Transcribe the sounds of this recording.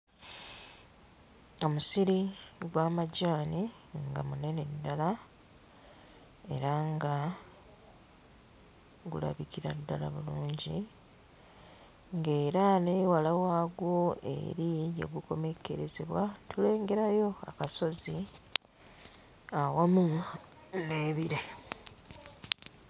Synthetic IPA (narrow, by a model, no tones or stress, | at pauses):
o̞musiɾiɡwaːmaɟaːni | ŋɡa̰mune̞ne̞dːala | e̞̰ɾaŋɡa | ɡṵla̰βikiɾadːala̰βuluːɲɟḭ | ŋɡe̞ːɾane̞ːwalawaːɡwo̞e̞̰ɾijḛɡuko̞me̞ke̞̰ɾezeβwatʰule̞ːŋɡe̞ɾajo̞a̰kaso̞zi | awamu | neːβiɾe̞